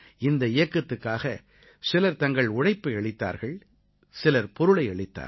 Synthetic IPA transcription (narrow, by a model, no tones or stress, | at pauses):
ɪnd̪ɐɪjɐkːɐt̪ːɯkːaːɣɐ | sɪlɐɾt̪ɐŋɡɐɭʊɽɐɪpːɐɐɭɪt̪ːa̰ːɾɣɐɭ | sɪlɐɾpɔɾɯɭɐɪɐɭɪt̪ːa̰ːɾ